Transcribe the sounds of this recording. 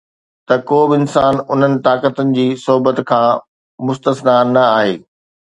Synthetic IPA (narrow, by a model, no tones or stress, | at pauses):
t̪ɐkoːbɪɪnsaːnʊn̤ənɪ̆t̪aːkət̪ənɪ̆d͡ʑiːsʊɦʊbət̪kʰãː | mʊst̪əsnanɐaːɦḛː